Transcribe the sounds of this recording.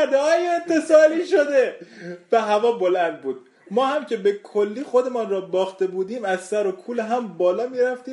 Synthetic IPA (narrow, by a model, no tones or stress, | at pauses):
d̪ɒːjeent̪ʰːe̞sɒːliːʃod̪evæɦævɒːbolænd̪̚buːd̪̚ | mɒːhæmcʰe̞bekʰolːiːxod̪e̞mɒnrɒːbɒːxt̪e̞buːd̪iːmæzsæɾo̞kʰuːlɦæmbɒːlɒːmiːɾæft̪iː